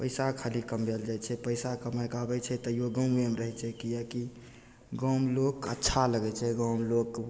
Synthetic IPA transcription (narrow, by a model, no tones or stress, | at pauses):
pəɪsakʰalikəmbeld͡ʒajt͡ʃʰɛpəɪsakəmajkabɛt͡ʃʰɛt̪əioɡə̃memɾəɦɛt͡ʃʰɛkijaki | ɡɔ̃mlokə̰tːʃʰaləɡɛt͡ʃʰɛɡɔ̃mlok